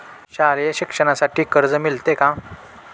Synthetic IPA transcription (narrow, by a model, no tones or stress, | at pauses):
ɕaljaɕikʂəñasaʈiːkəɾd͡zəmilt̪ekã